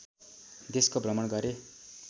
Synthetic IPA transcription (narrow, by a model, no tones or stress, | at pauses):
d̪eskobrʌmʌɳɡʌɾe